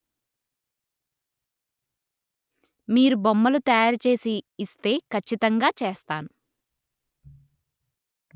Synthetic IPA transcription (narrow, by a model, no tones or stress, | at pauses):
miːɾubomːɐlut̪ɐjaːɾut͡ʃe̞ːsiːst̪e̞ːkɐt͡ʃːit̪ɐŋɡaːt͡ʃeːst̪aːnu